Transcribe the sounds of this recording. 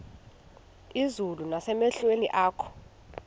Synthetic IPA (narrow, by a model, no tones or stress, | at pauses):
izulunasɛmɛɬwenḭʔaːkʰɔ̥